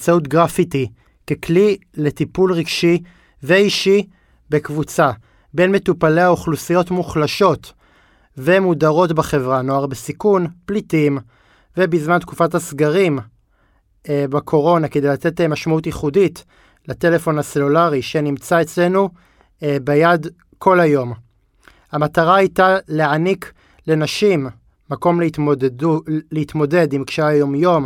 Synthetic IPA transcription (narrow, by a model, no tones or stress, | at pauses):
t͡saut̬ɡʁafiti | keklile̞tipulʁiɡʃi | veiʃi | bekvut͡sa | be̞nme̞tupale̞aoχlusijo̞tmuχlaʃo̞t | ve̞mudaʁo̞tbaχe̞vʁano̞aʁbesikunplitim | ve̞bizmant̪kufathasɡaʁim | bakʰo̞ʁo̞naked̪e̞jlat̪e̞temaʃmautjiχudit | late̞le̞fo̞nase̞lulaʁiʃe̞nimt͡sae̞t͡sle̞nu | bejad | kʰo̞lhajo̞m | hamataʁaajtaleanik | le̞naʃimː | ako̞ml | leit̪mo̞de̞dimkʃeajo̞mjo̞m